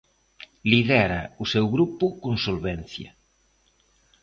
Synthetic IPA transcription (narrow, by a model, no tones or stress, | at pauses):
liðɛɾausewɣɾupʊkonsolβɛnθjɐ̰